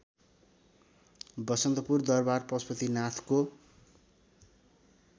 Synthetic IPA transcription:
bʌsʌnt̪ʌpurd̪ʌrbarpʌspʌt̪inat̪ʰko

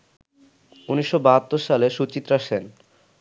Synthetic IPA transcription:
uniʃːobaɦat̪ːoɾʃaleʃut͡ɕit̪ːɾaʃen

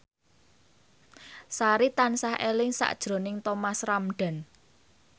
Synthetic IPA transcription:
saɾit̪ansahʔelɪŋsa̰ʔd̥ʒ̥ɾo̤nɪŋt̪ɔmasramɖ̥a̤n

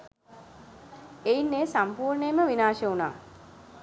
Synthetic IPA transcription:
einːeːsampuːɾɳejməʋinaːʃəuna̰ː

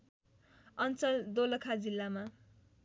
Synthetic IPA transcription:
ʌnt͡sʌd̪olʌkʰad͡zilːama

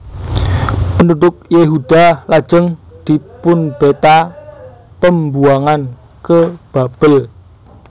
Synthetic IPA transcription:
pənud̪ʊk̚jeɦud̪̥a̤lad̥d͡ʒ̥əŋd̪̥i̤pʊnb̥et̪a | pəmbuaŋan | kəb̥a̤b̥əl

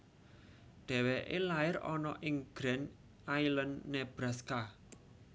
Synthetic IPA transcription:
ɖ̪̥ɛ̤weʔelaɪɾɔ̰nɔʔɪŋɡ̥ɾɛn | ajlənːɛb̥ɾaska

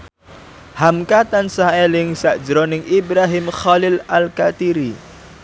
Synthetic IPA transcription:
hamkat̪ansaelɪŋsaʔd͡ʒɾɔnɪŋʔibɾaɦɪmxalɪlalkat̪iɾi

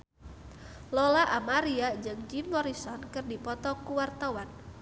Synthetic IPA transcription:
lɔlaʔamaɾiad͡ʒɨŋd͡ʒimːɔɾisɔnkɨrdipɔt̪ɔkuwart̪awan

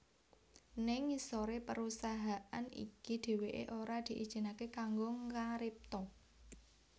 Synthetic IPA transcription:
nɪŋisoɾepəɾusaɦaʔanḭkid̪̥e̤weʔḛʔoɾad̪̥i̤ʔḭd̥ʒ̥i̤nakekaŋɡoŋaɾɪp̚t̪ɔ

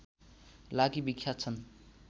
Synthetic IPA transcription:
lakibikʰjat͡sʰʌn

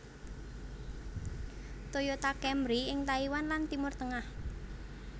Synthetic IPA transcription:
t̪ojot̪akɛmɾiɪŋt̪aiwanlant̪imʊrt̪əŋah

